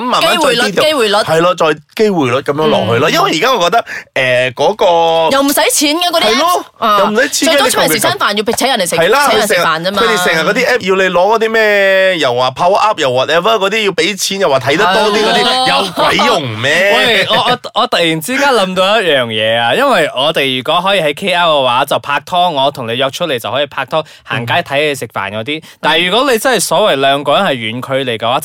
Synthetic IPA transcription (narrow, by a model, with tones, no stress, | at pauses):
ɐ˦mmaː˨˩naː˨˥ɔu˨˧˨li˥˨e˥wuː˨˩jlɔ˨˥thɐ˨jla˧t͡ʃɔː˧jke˥jwu˨˩jlʊ˨˥t̚kɐ˨˧mjœː˧˥ŋlɔ̰ː˨k̚hɵ˧lɔː˧jɐ˥nwɐ˨ji˨˩kaː˥ŋɔː˨˧kɔ˧k̚t̪ɐ˥k̚ʔɛː˨˩kɔː˨˥kɔː˧jɐ˨˧wm̩˨˩sɐ˨˥jt͡sʰiː˨˥nkaː˧kɔ˨˧t̪iɐ˨jlɔː˥aː˧ɐ˨wm̩˨˩sɐ˨˦jt͡sʰiː˨˥˨si˨˩saː˥nfaː˨˩nji˧pɪ˨˩t͡ɕʰːjɐ˨˩nle˨˩shɐ˨jlaː˧hɵ˧˨˩s̚faː˨nɐː˥kmaɵ˨˧jt̪e˨sɛ˨˩ŋɐ˨t̚kɔː˨˧t̪iː˥ʔɛː˥p̚ji˧wle˨˧jlɔː˨˥kɔ˨˥t̪iː˥mɛː˥jɐ˨˩waː˨˩pʰaː˧wʔɐ˦˥p̚jɐ˨˩wɔ˨˩t̚ɛ˧˥vɐ˧˥kɔː˨˧t̪iː˦˥ji˧wpe˨˥jt͡sʰiː˨˥njɐ˨˩waː˨˩t̪ʰɐ˨˥jt̪ɐ˥tt̪ɔː˥t̪iː˥kɔ˨˧t̪iː˥jɐ˨˧wkwɐ˨˥jːʊ˨˩ŋmɛ˥ɔː˨˥˨ɔː˨˧ʔɔː˨˧ɔː˨˧t̪ɐ˨k̚jiː˨˩nt͡siː˥kaː˥nlɐ˨˧˥mt̪o˧wjɐ˥t̚jœː˨˩ŋjɛː˨˧aː˧jɐ˥nwɐ˨jɔː˨˧t̪e˨jjyː˨˩kɔː˨˥ɦɔː˨˥jiː˧˩hɐ˨˥jkʰe˥aː˥w̚kɐ˧waː˨˥t͡sɐ˨wpʰaː˧k̚t̪ʰɔː˥ŋːɔː˨˧t̪ʰʊ˨˩ŋle˨˧jɔː˧k̚t͡ʃʰɵ˥le˨˩jt͡sɐ˨whɔː˨˥jiː˨˩pʰaː˧k̚t̪ʰɔː˥ | ha̰ː˨˩ŋkaː˥jt̪ʰɐ˨˥je˨˧jsɪ˨k̚fa̰ː˨˩nkɔː˨˧˥t̪iː˥t̪aː˨˩jjyː˨˩kʷɔː˨˥le˨˧jt͡sɐ˥nhɐ˨jsɔː˨˥wɐ˨˩jlœː˨˧ŋkɔː˧˥jɐ˥nhɐ˨˩jɥyː˨˧nkʰɵ˧ɥle˨˩jkɐ˧waː˨˧˥